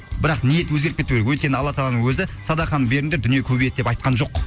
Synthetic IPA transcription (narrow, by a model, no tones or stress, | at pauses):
bɪɾɑqnije̞t̪wɵzɡʲet̪kʲet̪uɡʲelɪkwɵjt̪kʲenɪɑlˠːɑt̪ʰɑlˠɑnəŋwɵzɪsɑd̪ɑχɑnbe̞ɾɪnd̪e̞ɾd̪ʏnjekʲʰɵbejet̪d̪epɑjt̪̚qɑnʒo̞q